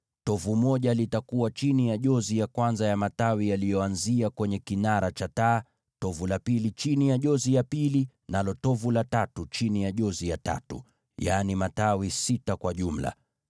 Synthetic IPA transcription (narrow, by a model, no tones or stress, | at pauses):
tɔvumɔʄalitakuwat͡ʃinijaʄɔzijakwanzajamatawijalijɔanziakwɛɲɛkinaɾat͡ʃataː | tɔvulapilit͡ʃinijaʄɔzijapili | nalɔtɔvulatatut͡ʃinijaʄɔzijata̰tṵ | janimatawisitakwaʄum̩la̰